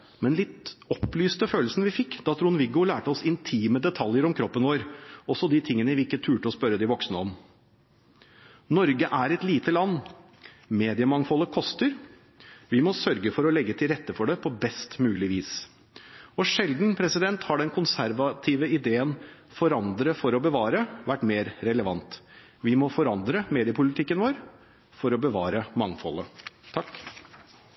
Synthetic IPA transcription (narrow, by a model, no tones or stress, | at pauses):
mɛnlɪt̪ɔplyːst̪əføːlsnʋɪfɪkːd̪̥ɑt̪ʰɾuːnʋɪɡʊlæːʈəɔsɪnt̪ʰiːməd̪ɛt̪ʰɑljəɾɔmkʰɾɔpːənʋoːɾɔsɔd̪ɪt̪ʰɪŋːənəʋɪɪkːət̪ʰʉːʈəɔspœɾːəd̪ɪʋɔksnəɔm | nɔɾɡəʔæɾɛt̪liːt̪əlɑnː | meːd̪ɪəmɑŋfɔlːəkʰɔst̪əɾ | ʋɪmɔsœɾɡəfɔɾɔlɛɡːət̪ʰɪlɾɛt̪ːəfɔɖɛpʰɔbɛst̪mʉːlɪʋiːs | ɔʂɛld̪n̩pʰɾɛsɪd̪ɛnt̪hɑɖɛnkʰʊnsæɾʋɑt̪ʰiːʋəɪd̪eːənfɔɾɑnd̪ɾəfɔɾɔbəʋɑːɾəʋæʈːmeːɾɾɛləʋɑnt̪ | ʋɪmɔfɔɾɑnd̪ɾəmeːd̪ɪəpʰʊlɪt̪ʰɪkːənʋoːɾ | fɔɾɔbəʋɑːɾəmɑŋfɔ̰lət̪ʰɑk